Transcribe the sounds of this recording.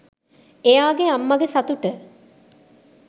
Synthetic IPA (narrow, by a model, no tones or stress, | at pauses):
ejaːɡeamːɐɡesɐt̪uʈə